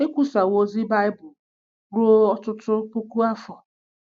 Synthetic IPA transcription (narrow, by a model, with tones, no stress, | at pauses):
e˦kʷu˨sa˨wo˦zi˦ba˦ɪ˦bʊ˨ | ɾu˦ɔ˦tʊ˦tʊ˦pu˦ku˦a˦fɔ˨